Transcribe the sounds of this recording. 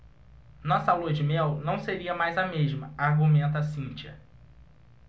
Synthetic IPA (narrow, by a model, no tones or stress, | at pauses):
nɔsɐluɐd͡ʒɪmɛwnɐ̃w̃seɾiɐmajzɐmeʒmɐaɾɡumẽnt̪ɐsĩt͡ʃiɐ̰